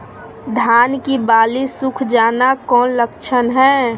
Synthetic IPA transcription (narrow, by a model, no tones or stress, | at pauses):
d̪ʱaːnkibaːlisʊkʰd͡ʒaːnakɔːnləkt͡ʃʰənɦɛː